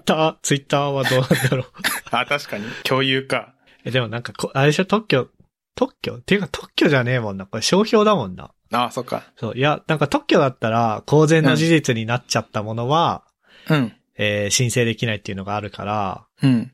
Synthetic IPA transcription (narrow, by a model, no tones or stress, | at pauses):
t̪ːaːt͡sɨit̪ːaːβad̪o̞ːnãnd̪aɾo̞aːt̪aɕi̥kaɲ̟ikʲʰo̞ːjɯːka | ed̪e̞mo̞nãŋkakoʔaiɕot̪o̞kʲːo̞ | t̪o̞kʲːo̞̰t̪ːe̞jɯ̟kat̪ʰokʲːo̞ʑane̞ːmõ̞nːakoeɕo̞ːço̞ːd̪amõ̞nːa̰ | aːsokːa̰so̞̰ːjanãŋkat̪o̞kʲːo̞d̪at̪ːaɾako̞ːzẽ̞nːo̞ʑiʑit͡sɨɲ̟inat͡ɕat̪ːamo̞no̞βa | ɯ̃ɴ | eːɕĩɰ̃se̞ːd̪e̞kʲinait̪ːe̞iɯ̟no̞ɡaːɾɯ̟ka̰ɾa̰ | ɯ̟̃ɴ